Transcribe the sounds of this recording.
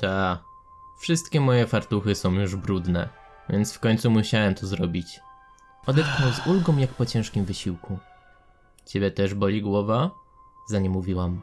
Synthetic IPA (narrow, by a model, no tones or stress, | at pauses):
t̪a | fʂɘst̪kʲɛmɔjɛfaɾt̪uxɘsɔ̃w̃juʐbɾud̪nɛ̰ | vʲjɛnt̪sfkɔɲʲt̪sumuɕawɛmt̪ɔzɾɔbʲit͡ɕ | ɔd̪ɛt̪xnɔwzulɡɔ̃w̃jakpɔt͡ɕɛ̃ʂkʲimvɘɕiwku | t͡ɕebʲjɛt̪ɛʐbɔlʲiɡwɔva | zaɲɛmːuvʲiwam